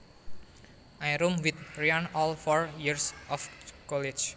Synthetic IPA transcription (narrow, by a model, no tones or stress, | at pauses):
ʔajɾumwit̪̚ɾianɔlfɔɹjiɾsʔɔfkɔlid͡ʒ